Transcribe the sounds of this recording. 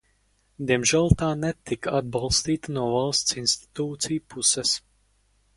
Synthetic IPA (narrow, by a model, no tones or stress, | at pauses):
d̪iɛmʒɛlˠt̪aːnɛt̪ɪkad̪̚balˠst̪iːt̪nɔvɛlˠst̪sinst̪i̥t̪uːt̪siːpusɛs